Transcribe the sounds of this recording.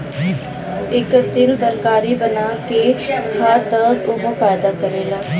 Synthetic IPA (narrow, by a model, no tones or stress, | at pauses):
ɪkt̪ɪld̪əɾkaːɾiːbənaːkeːkʰaːt̪əːzʊɦõpɛːjd̪aːkəɾeːlaː